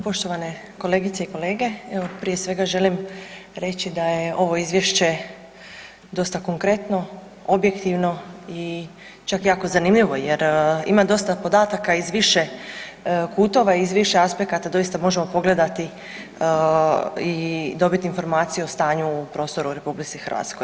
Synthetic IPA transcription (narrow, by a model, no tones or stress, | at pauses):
po̞ʃt̪o̞ʋane̞ | ko̞le̞ːɡit̪seiko̞le̞ːɡe̞eʋo̞pɾije̞sʋe̞ɡaʒe̞limɾe̞t͡ɕid̪aje̞ʔo̞ʋo̞izʋje̞ʃt͡ɕe̞ | d̪o̞st̪ako̞ŋkɾet̪no̞ | o̞bje̞kt̪iʋno̞i | t͡ʃakjaːko̞zanimʎiʋo̞jeɾḭmad̪o̞st̪apo̞d̪aːt̪akaizʋiʃe̞ | kuːt̪o̞ʋaiizʋiʃe̞aspe̞kat̪ad̪o̞jist̪amo̞ʒemo̞po̞ɡle̞d̪at̪i | id̪o̞bit̪iːnfo̞ɾmaːt̪sijuost̪aːɲuːpɾo̞ːst̪o̞ɾuɾe̞publit̪sixr̩ʋa̰t̪skoj